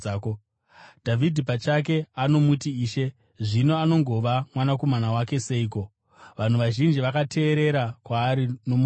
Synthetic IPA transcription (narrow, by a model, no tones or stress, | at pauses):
ko | d̥ʱavʱidʱipat͡ʃak̬e̞ano̞mutiiːʃe̞ | ʐino̞ano̞ŋɡo̞ʋamwanako̞manawake̞se̞iko̞ | ʋan̤uʋaʒind͡ʒiʋakatʰe̞ːɾe̞ɾakwaːɾinom